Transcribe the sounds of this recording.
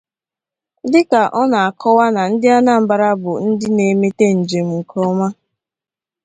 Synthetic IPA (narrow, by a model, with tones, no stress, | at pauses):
dɪ˦ka˨ʔɔ˦na˨a˨kʰɔ˦wa˦na˨n̩˦dɪ˦a˦na˦˨m̩˦ba˨ɾa˦bʊ˨n̩˦dɪ˦ne˨me˦te˦n̩˨d͡ʒe˨m̩˨ŋ̩˨kʰɔ˦ma˦